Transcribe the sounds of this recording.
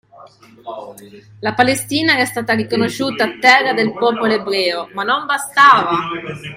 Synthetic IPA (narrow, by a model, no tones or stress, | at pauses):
lapalest̪iːnaɛst̪aːt̪arikonoʃuːt̪aːt̪ːɛrːad̪elpɔːpoloebɾɛːomanːombast̪aːva